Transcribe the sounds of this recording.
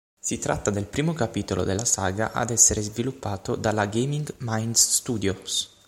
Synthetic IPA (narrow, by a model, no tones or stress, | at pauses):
sit̪ɾa̰t̪ːad̪elpɾiːmokapiːt̪olo̰d̪elːasaːɡa̰ʔa̰d̪ɛsːeɾezvilupːaːt̪od̪alaɡemiŋɡmajnd̪sst̪uːd̪jos